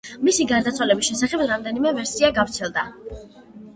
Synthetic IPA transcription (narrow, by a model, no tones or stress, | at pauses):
misiɡaɾd̪at̪sʰwalɛbisʃɛsaχɛbɾamd̪ɛnimɛvɛɾsiaɡavɾt̪sʰɛlˠd̪a